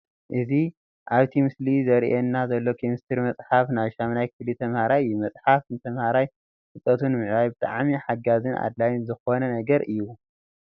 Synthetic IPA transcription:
ʔɨzi | ʔaβt̪ʰimɨslizɐɾʔenːazɐlːo̞kʰemist̪ʰɨɾmɐt͡sʼħafnaβʃamnajkʰɨlit̪ʰɐmhaɾajumɐt͡sʼħafɨnt̪ʰɐmhaɾaj | kɨt̪ʼːɐt̪ʰunmɨʕβajbɨt̪ʼa̰ʕmiħaɡazɨnʔa̰d̪lajnzɨxo̞nɐnɐɡɐɾɨjːu

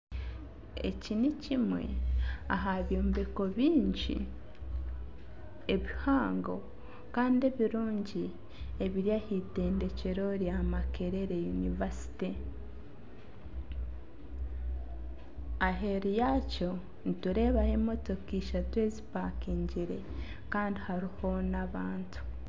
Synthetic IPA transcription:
ḛcinicimwe̞̰aɦaβjo̞ːmbeko̞βiːɲɟḭ | eβihaːŋɡo̞̰ | kaːnde̞βiɾuːɲɟi | eβiɾjahite̞ːnde̞ce̞ɾo̞ɾjamake̞ɾe̞ɾe̞junivasi̥te | aɦe̞ɾijaco̞ | nituɾe̞ːβahemo̞to̞kiːʃatwe̞ːzipakiːɲɟiɾe̞ | kaːndihaɾiho̞naβaːntʰu̥

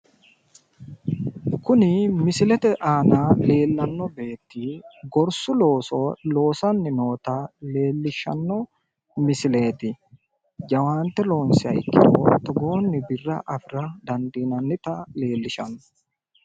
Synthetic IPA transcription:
kʊnɪmɪsɪlɛt̪ɛʔaːnaːle̞ːlːɐnːɔbe̞ːt̪ːɪɡɔɾsʊlo̞ːsolo̞ːsɐnːɪnoːt̪ɐle̞ːlːɪʃːɐ̰nːɔ | mɪsɪle̞ːt̪ɪ | d͡ʒɐwaːnt̪ːɛlo̞ːnsɪɐ̰jɪ̰kːɪ̰d̪oːt̪ɐɡo̞ːnːɪbɪrːɐ̰ʔɐfɪɾɐd̪ɐnd̪iːnɐnːɪt̪ɐle̞ːlːɪʃɐ̰nːɔ

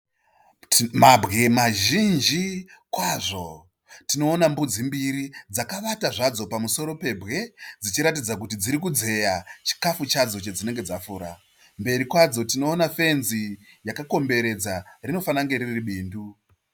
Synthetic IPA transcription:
mabʱɣemaʒind͡ʒikwaʐo̞ | tino̞ːnambud͡zimbiɾid͡zakaʋataʐad͡zo̞pamuso̞ɾo̞pe̞bʱɣe̞d͡zit͡ʃiɾatid͡zak̬ut̬id͡ziɾikud͡ze̞jat͡ʃi̥kafut͡ʃad͡zo̞t͡ʃed͡zine̞ŋɡe̞d͡zafuːɾa | mbe̞ɾikwad͡zo̞tino̞ːnafe̞nzi | jakako̞mbe̞ɾe̞d͡zarino̞fanaŋɡe̞ɾiriɓiːndu

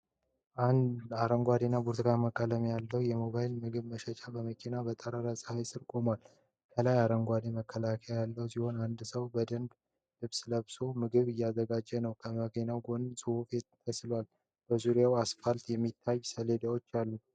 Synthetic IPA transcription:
ʔand̪aɾəŋɡʷad̪enabuɾt̪ʰɨɡaməkʼːələmejalːəwjɛmo̞βajɪlmɨɡɨβməʃət͡ʃʼabəməkʰinabət̪ʼəɾaɾasʼhajsɨɾkʼo̞mal | kʰəlajaɾəŋɡʷad̪eməkʰːəlakʰeajalːəhwsiho̞nand̪səwbəd̪ənb | lɨβsləβsomɨɡɨβɨjːazəɡad͡ʒːɛnəwkʰəməkenawɡo̞nɨsʼɨwofe̞t̪t̪ʰːəslwal | b̥əzuɾjawasfalt̪jɛmːit̪ʰːajsəle̞d̪awo̞t͡ʃːalːu

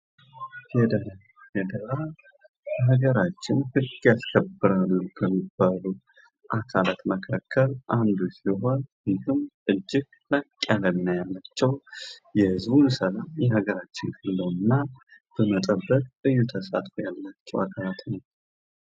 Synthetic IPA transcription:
hɛd̪ | jɛd̪əɾa | əɦəɡəɾat͡ʃːɪnhɨɡjaskʰəbːɨɾalːukʰəmːibːalu | ʔakʰalat̪məkʰakʰːəlʔand̪usiɦo̞njɪhɨmʔɨd͡ʒːɪɡ̥ | lakʼːjalənːajalːat͡ʃːɛwjɛhɨzbunsəlamjɛhəɡəɾat͡ʃːɪnkʼəlːəwɨnːab̥əmət̪ʼəbːəkʼɨjːut̪ʰəsa̰t̪ʼfojalːat͡ʃːɛwakʰalat̪nəw

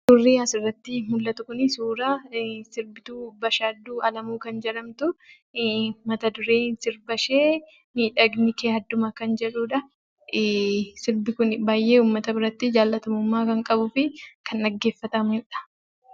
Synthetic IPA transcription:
sʊrːiːɐsɪrːɐt̪ːɪmʊlːɐt̪ʊkʊnɪsuːɾaːsɪɾbɪt̪uːbɐʃaːd̪ːuːʔɐlɐmuːkɐnd͡ʒɛᶑɐmt̪ʊ | mɐt̪ɐd̪ʊɾeːnsɪɾbɐʃeː | miːᶑɐɡnɪkeːhɐd̪ːʊmɐkɐnd͡ʒɛᶑuːᶑɐ | sɪɾbɪkʊnbaːjʔe̞ːuːmːɐt̪ɐbɪɾɐt̪ːɪd͡ʒaːlːɐt̪ɐmʊmːaːkɐŋkʼɐbʊfɪkɐnːɐɡːeːfːɐt̪ɐmᶑɐ̥

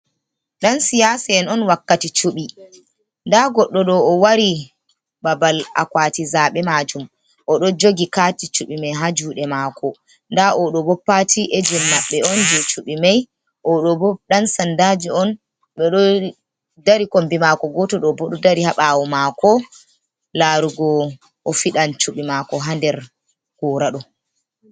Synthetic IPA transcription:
ɗansijasaɛnɔnwakːatit͡ʃuɓi | ndaɡɔɗːɔɗɔːwaɾi | babala̰kwaːtizaɓɛmad͡ʒum | ʔɔɗɔd͡ʒoɡikatit͡ʃuɓimajɦad͡ʒuːɗɛmaːkɔ | ndaʔɔɗɔbɔpːatʰiʔed͡ʒɛmːaɓːɛɔnd͡ʒɛt͡ʃuɓimaj | ʔɔɗɔbɔɗansandad͡ʒiɔn | ɓɛɗɔ | daɾikombimakɔɡɔtɔɗɔbɔɗɔdaɾihaɓawɔmakɔ | laɾuɡɔ | ʔɔfiɗant͡ʃuɓimakɔɦandɛɾ | kɔːɾaɗɔ

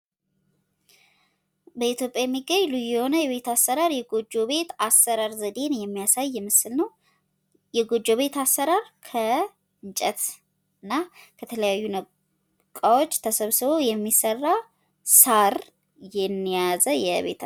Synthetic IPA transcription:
bəit̪jo̞pʼjajɛmːiɡəɲlujɛho̞nəjɛβe̞t̪asːəɾaɾjɛɡo̞d͡ʒːo̞βe̞t̪asːəɾaɾzəd̪e̞njɛmːijasajːɛmɨsɨlnəw | jɛɡo̞d͡ʒːo̞βe̞t̪asːəɾaɾkʰə | ɨɲt͡ʃʼɛt̪ | ɨnːakʰət̪ʰələjajːunə | kʼawo̞t͡ʃːt̪ʰəsəβsɨβo̞jɛmːisərːa | saɾ | jɛnːijazəjɛβe̞̰t̪ʰ

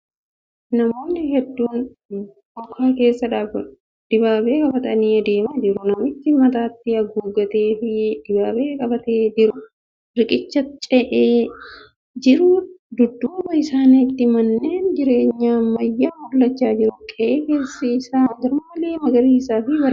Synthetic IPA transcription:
nɐmo̞ːnːɪhɛd̪ːuːn | ʔɔkʰːaːke̞ːsːɐᶑaːf | d̪̥ɪbaːbe̞ːkʼɐbɐt̪ɐniːɐd̪e̞ːmɐd͡ʒɪɾʊnɐmɪt̪ːɪmɐt̪aːt̪ːɪɐɡuːɡɐt̪eːfɪd̪̥ɪbaːbeːkʼɐbɐt̪eːd͡ʒɪɾʊ | ɾɪkʼɪt͡ʃːɐt͡ʃʼɛʔeː | d͡ʒɪɾʊd̪ʊd̪ːuːbɐɪsaːnɪt̪ːɪmɐnːe̞ːnd͡ʒɪɾe̞ːɲːaːmɐjːaːmʊɾlɐt͡ʃːaːd͡ʒɪɾʊkʼɛʔeːkeːsːiɪsaːɡɐɾʊmmɐleːmɐɡɐɾiːsaːfɪwɐɾ

